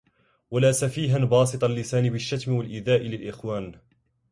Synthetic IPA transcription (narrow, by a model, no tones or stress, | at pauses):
walaːsafiːɦanbɑːs̬ɨt̪ˤɑlːɪsaːnɪbɪʃːat̪mɪwalʔɪðaːʔɪlɪlʔɪxwaːn